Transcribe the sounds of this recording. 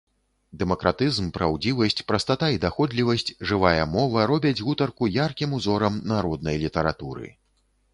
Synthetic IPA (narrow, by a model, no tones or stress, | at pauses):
d̪ɛmɐkɾat̪ɨzmpɾawd͡zʲivɐsʲt͡sʲpɾɐst̪at̪aid̪axɔd̪lʲivɐsʲt͡sʲʐɨvajɐmɔvɐɾɔbʲɐd͡zʲɣut̪ɐrkujarkʲimuzɔɾɐmnaɾɔd̪̚nɐjlʲit̪ɐɾa̰t̪uɾɨ̰